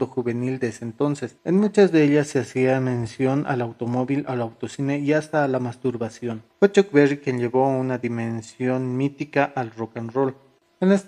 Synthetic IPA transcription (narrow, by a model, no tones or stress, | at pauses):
d̪oxuβenild̪eeseːnt̪onsesenmut͡ʃazd̪eeʎasːeasiamensjona̰lawt̪omoβilalawt̪osineiast̪aːlamast̪uɾβasjonxet͡ʃokberikjenʎeβounaðimensjonmit̪ikaʔalrokanrol | enes